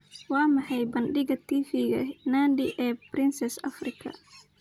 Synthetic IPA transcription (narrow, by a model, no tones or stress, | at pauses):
wɑːmɑħɑjbɐnɖɪɣɐt̪ʰiːfiːɣɐ̰naːndɪʔɛːprɪnsɛsɐ̰frɪkʰɐ̰